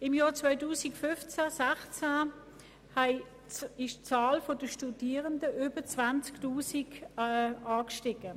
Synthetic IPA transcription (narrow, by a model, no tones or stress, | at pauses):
ɪmjɔːt͡svœʏtuːsikfʏft͡sæsaχt͡sæ | hɛɪ | ɪʃt͡saːlfodəʃtudiːʁəndəʔyːb̥ət͡svant͡sktuːsik | aːkʃtɪɡ̥ə